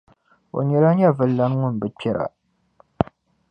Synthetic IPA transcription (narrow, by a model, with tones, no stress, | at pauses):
o̰˨ɲɛ˨la˦ɲɛ˦vɨ˨lːa˦n˦ŋʊ˦n˨bɨ˨pɛ˦ɾa̰˨